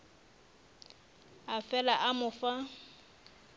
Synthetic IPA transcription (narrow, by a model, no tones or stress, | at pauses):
afɛlaʔamʊfa